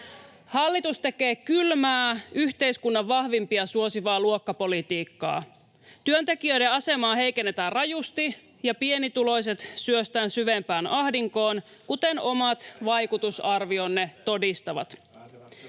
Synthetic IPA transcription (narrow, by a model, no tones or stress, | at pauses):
hɑlːit̪ust̪e̞ke̞ːkylmæːyçt̪eiskunːɑʋːɑhʋimpiɑsuosiʋɑːluokːɑpolit̪iːkːɑ̰ː | t̪yønt̪e̞k̟iøjɾeɑse̞mɑːhe̞jk̟enːet̪æːrrɑjust̪i | jɑpienit̪ulo̞js̬e̞t̪syøst̪æːnsyʋempæːnɑhdiŋko̞ːn | kut̪e̞no̞mɑt̪ʋɑjkut̪usɑrʋio̞nːet̪o̞dist̪ɑʋɑ̰t̪